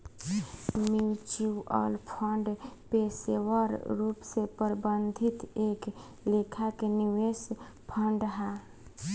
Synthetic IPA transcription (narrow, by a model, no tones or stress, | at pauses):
miwt͡ʃiwɔ̰lpʰəɳɖpesewəɾɾupsepəɾbənd̪ʱit̪ek | lekʰakeniwes | pʰəɳɖɦa